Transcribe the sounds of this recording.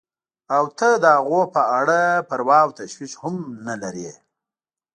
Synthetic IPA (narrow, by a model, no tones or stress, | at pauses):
awt̪əd̪əɦaɣopəaɽapəɾwɑːwt̪aʃwiʂhʊmnalaɾe